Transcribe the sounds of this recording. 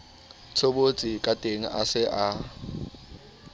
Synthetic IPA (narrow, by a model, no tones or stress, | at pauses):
t͡sʰobot͡sʼikʼatʼeŋ̩ʔa̰sɪʔa